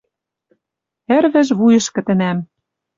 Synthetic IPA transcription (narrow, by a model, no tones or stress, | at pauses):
ɘ̆ɾβɘ̆ʒβujɤ̆ʃkɘ̆t̪ɘ̆næm